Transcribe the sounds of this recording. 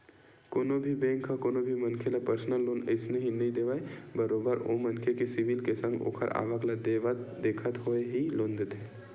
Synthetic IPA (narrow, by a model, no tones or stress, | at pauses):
koːnobʱibẽːŋkʰːakoːnobʱimɐnkʰelapəɾsnəlːoːnə̰ɪsneɦinɐɦĩd̪eːʋaːebɐɾoːbəɾo̰mɐnkʰekesɪʋilkesə̃ŋɡo̰ːkʰə̰ɾʔa̰ːʋəklad̪ed̪eːkʰət̪ɦoeɦilõːnd̪t̪ʰe